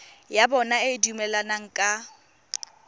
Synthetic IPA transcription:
jabɔnaɪɪdumɛlanaŋ̩kʼa

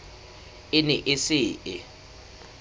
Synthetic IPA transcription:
ɪnɪʔɪsɪːʔɪ

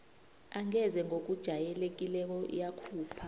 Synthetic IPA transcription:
aŋɛzɛŋok̬ʼud̥ʒ̥ʱajɛlek̬ʼilɛk̬ʼɔḭjakʰuːpʰa

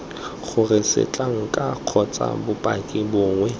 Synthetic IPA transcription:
χʊrɪsɪ̰t͡ɬʼaŋ̩kʼaq͡χʰɔt͡sʼa̰bʊpʼakʼɪbʊːŋwɛ

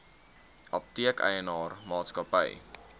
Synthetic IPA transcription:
ʔɐp̚tiəkɛ̰jənɑːrmɑːtskɐpə̰j

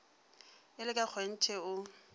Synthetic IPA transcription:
ɪlɪkʼak͡xʰwen̩t͡ʃʰɛʊ

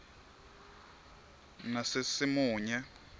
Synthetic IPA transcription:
nasɪsɪmuːɲɛ

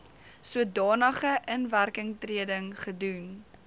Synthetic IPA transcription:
suədɑːnəχəʔənværkəŋtriədəŋχədun

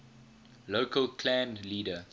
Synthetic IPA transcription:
loʊkʰəlkʰlãnliːdə

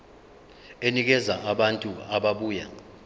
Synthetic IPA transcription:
enik̬ɛzaʔaɓantʼuaɓaɓuːja̰

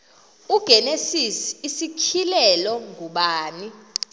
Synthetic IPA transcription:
uɡ̥ʱɛnesisiːsikʰilɛlɔŋʱuɓaːni

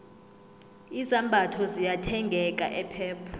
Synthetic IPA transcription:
izambʱatʰɔzijatʰɛŋɡʱɛkʼa̰ʔɛpʰɛːpʰu̥

